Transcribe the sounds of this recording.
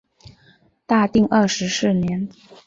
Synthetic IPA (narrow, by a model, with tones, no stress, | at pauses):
t̪a˥˧t̪i˥˧ŋʔə˥˩ʂɻ̩˧˥sɻ̩˥˩njɛ˧˥n